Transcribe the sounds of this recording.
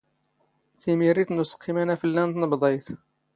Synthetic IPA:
t̪imiɾit̪nʊsqʰːimænæfilːænt̪nəbd̪ˤɑjt̪

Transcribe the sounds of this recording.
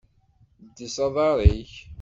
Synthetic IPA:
d̪ːisɑðˤɑɾˤiç

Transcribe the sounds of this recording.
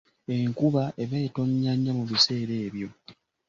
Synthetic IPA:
e̞ŋkuβaʔe̞βeito̞ɲːaɲːamuβise̞ːɾe̞ːβjo̞

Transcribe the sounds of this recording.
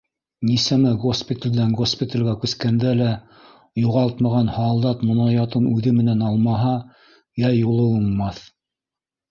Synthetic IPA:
nisæmɘɡospʲɪt̪ɪld̪æŋɡospʲɪt̪ʲəlʲɡækʉskænd̪ælæ | juʁɑlˠt̪mɑʁɑnhɑlˠd̪ɑt̪mŏnɑjɑt̪ɤnʉðɘmɘ̆nænɑlˠmɑɦɑ | jæjulˠɤwulmɑθ

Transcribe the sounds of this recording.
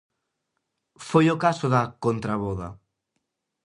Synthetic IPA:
fojokasoðakont̪ɾaβoða̰

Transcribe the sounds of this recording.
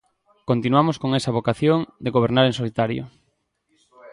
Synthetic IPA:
kont̪inuamoskoŋesɐβ̞okaθjoŋd̪eɣoβ̞eɾnaɾeŋsolit̪aɾjo̰

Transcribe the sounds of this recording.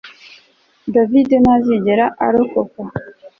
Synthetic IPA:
davidenaziɟeɾaʔa̰ɾokoka

